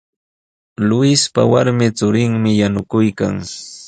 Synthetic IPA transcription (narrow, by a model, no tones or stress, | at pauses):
lʊɪspa̰waɾmɪt͡sʊɾɪŋmɪjanʊkʊjka̰ŋ